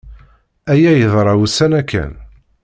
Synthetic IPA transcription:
æjæjəðˤɾˤɑwusænækːæ̰n

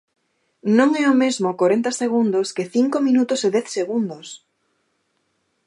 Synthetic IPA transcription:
nõŋɛomezmokoɾent̪ɐseɣ̞und̪oskɪθiŋkomĩnut̪ʊseðɛθseɣund̪os

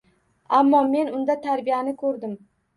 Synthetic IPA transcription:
amːɒme̞nʊnd̪at̪ʰaɾbijanɪkʰɵɾd̪ɪm

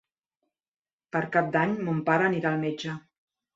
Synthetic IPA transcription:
pəɾkap̚d̪aɲmompaɾəːniɾaːlˠmed͡ʒə

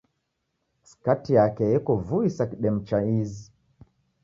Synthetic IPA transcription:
si̥katijakɛjɛkɔvuisakiɗɛm̩t͡ʃaizi

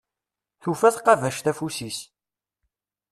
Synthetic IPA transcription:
θufæθqɑvæʃθæfusis

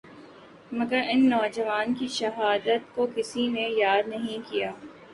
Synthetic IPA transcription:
mɐɡəɾɪnːɔːd͡ʒɐʋaːnkiʃɐɦaːd̪ət̪kokɪsinejaːd̪nɐɦĩkijaː

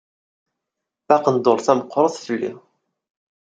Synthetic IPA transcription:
bæqənd̪oɾˤθæmqːɾˤəθˤθəlːḭ

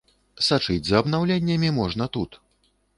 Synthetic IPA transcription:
sat͡ʂɨd͡zʲzɐːbnawlʲenʲːɐmʲimɔʐnɐt̪ut̪

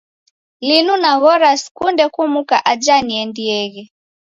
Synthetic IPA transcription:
linunaɣɔɾaskundɛkumukaʔad͡ʒaniɛndiɛɣɛ

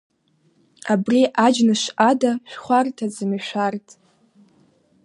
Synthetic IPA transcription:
abriʔad͡ʒnɨʃʔadaʃʷᶣχʷartʰad͡zɨmiʃʷᶣartʼ

